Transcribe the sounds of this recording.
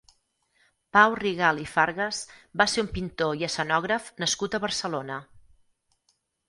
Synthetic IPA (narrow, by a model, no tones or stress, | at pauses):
pawriɣalˠifaɾɣəzbaseumpint̪oiəsənɔɣɾəfnəskut̪əβərsəlonə